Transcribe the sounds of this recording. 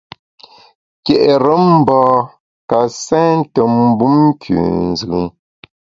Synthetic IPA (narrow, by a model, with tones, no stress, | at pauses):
kɛ˨ʔɾə˦m̩˦˨bɔː˦ | ka˨sɛ̃ː˦n̩˦tə˨m̩˦bu˦m˦kʰʉ̰˨n̩˨zɯ˨˦m